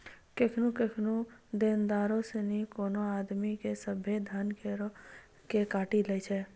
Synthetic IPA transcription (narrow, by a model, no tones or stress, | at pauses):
kekʰnukekʰnud̪eːnd̪aːɾõsenĩkoːnoaːd̪mikesəbeːd̪ʱaːnke | kekaːʈilət͡ʃʰɛ